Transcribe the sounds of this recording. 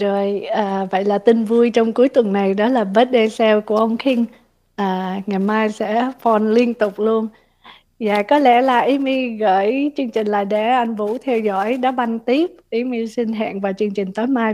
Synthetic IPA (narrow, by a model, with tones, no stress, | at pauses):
zo˨˩jʔaː˨˩və̰˧˨jlaː˨˩t̪ï˧ŋvu˧əjt͡ɕɔ˧wŋ͡mku˨˦jt̪wə˨˩nːa˨˩jɗɔ˨˦laː˨˩ɓəː˦˥t̚ɗe˧sɛ˧wku˧˩əʔə˧wŋ͡mxʰi˧ŋ | ʔaː˨˩ŋa˨˩jmaː˧jsɛ̰˧˥fɔ˧˩nli˧ənt̪ʊ˨˩k͡p̚lu˧ən | za̰ː˧˨˩kɔ˨˦lɛ˧˩laː˨˩ʔi˨˦mi˧ɣəː˧˩jt͡ɕɨ˧əŋt͡ɕï˨˩ŋ̟laː˨˩ɗɛ̰˧˩ʔa˧jŋ̟vṵ˧˥t̪ʰɛ˧wzɔ̰˧˥jɗɔ˨˦ɓa˧jŋt̪i˦˥əp̚ʔi˨˩mi˧si˧ŋɦa̰ː˧˨nvaː˨˩wt͡ɕɨ˧əŋt͡ɕï˨˩ŋ̟t̪əː˨˦jmaː˧j